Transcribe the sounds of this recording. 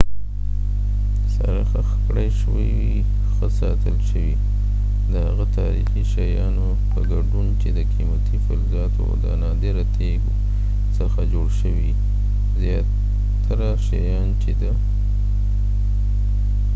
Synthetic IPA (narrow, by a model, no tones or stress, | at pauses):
sa̰ɾaxaxkɽajʃəwəji | xəsɑt̪əlʃəwi | d̪əhaɣat̪ʰɑɾixiʃajɑno | pəɡaɖunt͡ʃed̪əqimat̪ifalzɑt̪oa̰d̪ənɑd̪eɾat̪ʰeɡo | səxad͡ʒoɽʃəwi | zjɑ | t̪ʰːaɾaʃajɑnt͡ʃed̪ə